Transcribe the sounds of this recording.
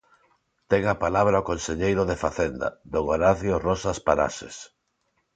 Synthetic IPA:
t̪ɛŋapalaβɾaokonseʎejɾʊðefaθend̪a̰d̪oŋoɾaθjorɔsaspaɾa̰sḛs

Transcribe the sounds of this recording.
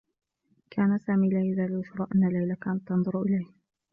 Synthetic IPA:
kʰaːnasaːmiːlaːjazaːlʊfɾˤɑːʔanːalajlakaːnat̪ːɑnðˤʊɾʔɪlajh

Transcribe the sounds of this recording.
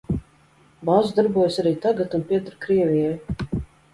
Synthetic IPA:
bazd̪aɾbuɔjsaɾiːt̪aɡat̪unpʲiɛt̪ɾkɾiɛvʲijaj

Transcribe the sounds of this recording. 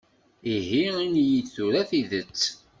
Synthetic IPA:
iɦiɾinjiθuɾæθiðət͡sː

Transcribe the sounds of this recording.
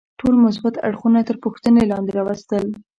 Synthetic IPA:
ʈolmʊs̬bat̪a̰ɽxunat̪əɾpʊxt̪ənelɑnd̪eɾɑwəst̪əl

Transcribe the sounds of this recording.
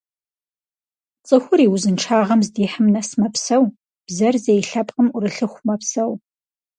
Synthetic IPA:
t͡sʼɨxʷʊɾiːwʊzɨnʈ͡ʂʰaːʁɐmzdiːħəmnɐsmɐpsɐw | b̥zɐrzejɬɐpʼqəmʊɾɨɬɨxʷmɐpsɐw

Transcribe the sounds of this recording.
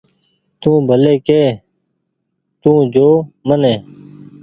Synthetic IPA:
t̪ũːbʱəleːkeː | t̪ũːd͡ʒoːmənẽː

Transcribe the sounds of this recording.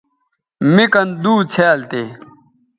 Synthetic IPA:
mikɐnd̪uːt͡sʰeːlt̪eː

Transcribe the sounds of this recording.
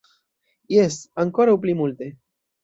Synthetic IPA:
jesaŋkoɾauplimult̪e

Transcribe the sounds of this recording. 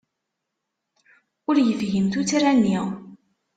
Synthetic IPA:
ʊɾjəfʝəmt̪ut͡sɾænːiʁ

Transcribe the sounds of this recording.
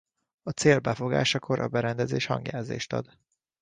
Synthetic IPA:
ɒt̪seːlbɛfo̞ɡa̰ːʃɒkʰo̞ɾʔɒbɛɾɛnd̪ɛzeːʃhɒŋɡjaːzḛːʃt̪ɒ̰d̪

